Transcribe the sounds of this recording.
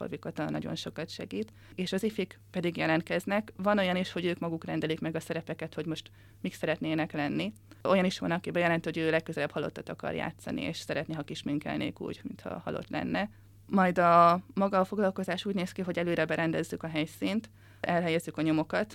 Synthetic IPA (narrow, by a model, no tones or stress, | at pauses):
fo̰rvikot̪ɒnːɒ̰ɟo̞̰nʃo̞kɒt̪ʃɛ̰ɡiːt̪ | eːʃɒzifikpɛd̪iɡjɛlɛnt̪̚kɛznɛkvɒno̞jɒniʃho̞ɟøːkmɒɡukrɛnd̪ɛlikmɛɡɒsɛɾɛpɛkɛt̪ho̞ɟmo̞ʃt̪ | miksɛɾɛt̪neːnɛklɛnːi | o̞jɒniʃʋɒ̰nɒkibɛjɛlɛnt̪ihoɟøːlɛkːøzɛlɛbhɒlot̪ːɒt̪ɒkɒ̰rja̰ːt̪sɒ̰nḭḛːʃsɛɾɛt̪niɦɒkiʃmiŋkɛ̰lnḛːkṵːɟmint̪hɒ̰hɒ̰lʔo̰t̪lɛ̰nːɛ | mɒjd̪ɒmɒɡɒːfo̞ɡlɒlko̞zaːʃuːɟneːskiɦo̞ɟɛløːɾɛbɛɾɛnd̪ɛzːykɒɦɛjsiːnt̪ | ʔɛlɦɛjɛzːykɒɲo̞mo̞kɒt̪